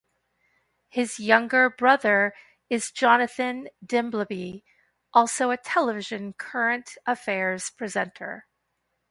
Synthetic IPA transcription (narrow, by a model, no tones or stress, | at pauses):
hɪzjʌ̃ŋɡə˞bɹʌðə˞ | ɨzd͡ʒɑnɨθɨ̃ndɪ̃mbləbi | ʔɔlˠsoʊɨtʰɛlˠəvɪʒɨ̃nkʰɜ˞ɨ̃ntʔəfɛɹz̥pʰɹ̥izɛ̃ntʰə̰˞